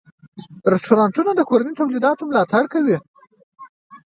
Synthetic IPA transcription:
ɾɪsʈoɾɑɳʈunod̪əkoɾanit̪awlid̪ɑt̪omlɑt̪aɽkawi

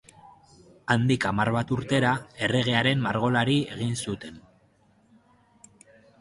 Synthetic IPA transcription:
and̪ikamarβat̪uɾt̪e̞ɾae̞re̞ɣ̞e̞aɾe̞mːaɾɣo̞laɾie̞ɣ̞insut̪e̞n

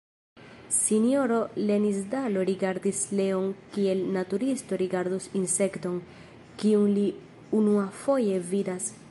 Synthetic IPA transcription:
sinio̞ɾo̞le̞nisdalo̞ɾiɡaɾd̪isle̞onkie̞lnatuɾisto̞ɾiɡaɾd̪usinse̞kto̞n | kiunli | unuafo̞je̞vidas

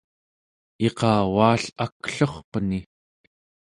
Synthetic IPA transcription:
e̞qɑːwaːɬakɬoχpəni

